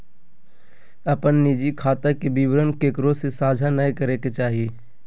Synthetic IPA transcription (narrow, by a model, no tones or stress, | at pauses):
ɐpənːid͡ʒikʰaːt̪akebiʋɾənkekɾosesaːd͡ʒʱanəikəɾeːket͡ʃaːɦie